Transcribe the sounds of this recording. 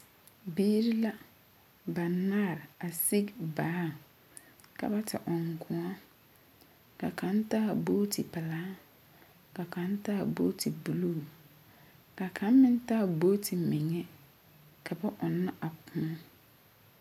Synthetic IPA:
biː˦ɾi˦la˦ | ba˨na˦˨ɾa˨si˦ɡbaː˨˦˨ | ka̰˨ba˦tʰɪ̰˨ʔɔ˨ŋkʊ̃˨ɔ˦ | ka̰˨ka˨˦n˦ta˦˨bo˦tʰi˨pa˨laː˨˦ | ka˨ka˨˦n˦ta˦˨bo̰ː˦tʰi˨bu˨lu˦˨ | ka˨kʰa˨˦mmɪ˦n˦ta˦˨bo˦tʰi˨mɪ˨ŋɛ˦ | kʰa˨ba˦ʔɔ˨nːa˦ʔa˨pʰʊ̃˨ɔ˦

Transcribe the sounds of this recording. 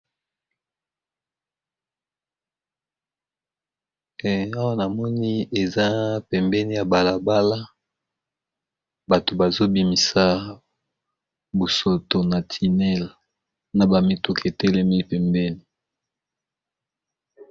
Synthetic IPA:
a˦wa˦na˨mɔ˦ni˦e˨za˦pɛ˨mbɛ˦ni˦ja˨ba˨la˨ba˦la˦ | ba˨to˨ba˨zo˦bi˨mi˨sa˦ | bo˨so˨to˨na˨tʰi˨nɛ˦˨l | na˨ba˨mi˦tu˦ke˨tɛ˦lɛ˦mi˦pɛ˨mbɛ˦ni˨

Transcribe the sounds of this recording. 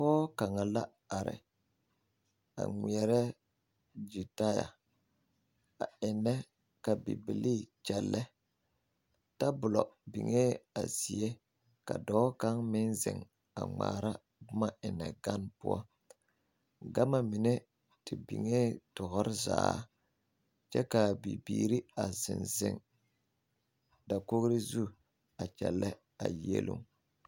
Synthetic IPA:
fɔː˦ka˨ŋa˨la˦ | a˨ɾɪ̰˨ | a̰˨ŋʷi˨ɛ˨ɾɛ˦ | d͡ʒu˨ta˦ja̰˨ | a˨ɪ˨nːɛ˦ | ka˨bḭ˨bi˨li˦t͡ʃɛ˨lːɛ˦ | ta˦bʊ˨lɔ˨bḭ˨ŋe˦a̰˨zi˨e˦ | ka˨dɔː˦ka˦ŋmɪ˦nzɪ̰˨ŋ | a̰˨ŋ͡ma̰ː˨ɾa˦ | bʊ˦ma˦ʔɪ˨nɛ˨ɡa˦npʊ̰˦ɔ̰˦ | ɡa˦ma˨mɪ˨ne˦ | tɪ˨bi˨ŋe˦tʊ˨ɣʊ˦ɾɪ˦za̰ː˨˦ | t͡ʃɛ˦ka˨bi˨biː˦˨ɾi˦a˨zɪ̰˨nzɪ̰˨ŋ | da˨ko˦ɣɾi˦zu˦˨ | a˨t͡ʃɛ̰˨lːɛ˦ | a̰˨jḛ˦lʔṵ˦ŋ

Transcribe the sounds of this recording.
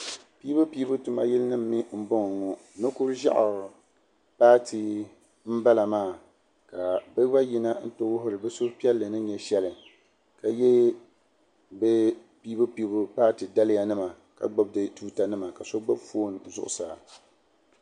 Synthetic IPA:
pi˦bɨ˦pi˦bʊ˦tu˨ma˨ji˦lnɨ˦m̩ː˦i˦m̩˦bʊ˦ŋ˨ŋɔ˨ | nɨ˦ku˦ɾʒa̰˦ʔɾ | paː˦tʰɨ˨ | m̩˦ba˦la˨maː˦˨ | ka˨bɨ˦ba˦ji˦na˦n̩˦to˦wʊ˦ɦʊ˦ɾɨ˨bɛ˦so˦pi˦ɛ˦lːɨ˨nɨ˦ɲɛ˨ʃɛ˦lɨ˨ | ka˨jɛ˦ | bɛ˦ | piː˦bɨ˦pi˨˦bʊ˦paː˦tɨ˨da˦lɪ˦ja˨nɨ˦ma˨ | ka̰˨ɡ͡bo˦b̚dɨ˨tuː˦ta˨nɨ˦ma˨ka˨so˦ɡ͡bo˦bfo˦˨n˨zʊ̰˨ʔʊ̰˨sa˨

